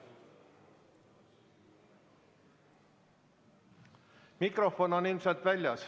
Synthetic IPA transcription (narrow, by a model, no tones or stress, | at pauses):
mikro̞fo̞nonilmselt̪vælʲjɑs